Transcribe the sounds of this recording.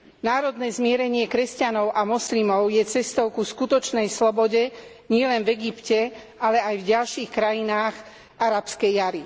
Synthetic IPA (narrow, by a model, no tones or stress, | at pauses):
naːɾɔd̪nɛːzmɪɛɾɛɲɪɛkɾɛscanɔʊʔamɔslimɔʊjɛt͡sɛst̪ɔʊkuskut̪ɔt͡ʃnɛjslɔbɔɟɛ | ɲɪɛlɛnvɛɡipcɛ | alɛajvɟalʃiːxkɾajinaːɣ | ʔaɾapskɛjːaɾi